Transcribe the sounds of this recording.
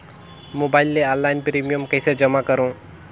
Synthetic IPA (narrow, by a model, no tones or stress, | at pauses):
moːbaːɪlːealːaːɪnpɾiːmijəmkəjsed͡ʒəmakəɾõː